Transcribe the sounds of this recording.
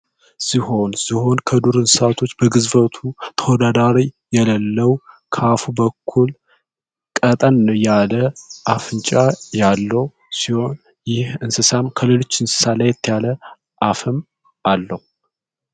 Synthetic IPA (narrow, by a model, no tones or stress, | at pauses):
siho̞nsiho̞nkʰəd̪uɾɨnsɨsat̪ʰo̞t͡ʃːbəɡɨzbət̪ʰut̪ʰəwɔd̪ad̪aɾijɛləlːəwkʰafubəkʰːul | kʼət̪ʼənːjaləʔafɨnt͡ʃʼajalːəhu | siho̞n | jɪhɨnsɨsamkʰəlelo̞t͡ʃːɨnsɨ̥salajːɛt̪ʰːəjalə | ʔafɨm | ʔalːəhu